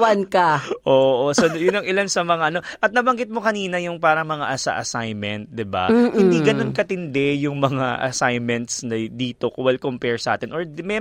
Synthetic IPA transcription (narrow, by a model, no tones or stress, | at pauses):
wankɐʔoːʔosojʊnɐŋɪlansɐmɐŋaʔɐno̞ʔɐt̪̚nɐbɐŋɡɪt̪̚mokɐniːnɐjʊŋpaːɾɐŋmɐŋa̰ʔɐsɐ̰ʔɐsajmɛnt̪̚d̪ɪba̰hɪ̃nd̪iːɡɐnonkɐt̪ɪnd̪ɛjʊŋmɐŋaʔɐ̰sajmɛnt̪snɐd̪iːt̪o̞kʊwɛlkompɛɹsɐʔa̰ːt̪ɪnʔoɹmɛ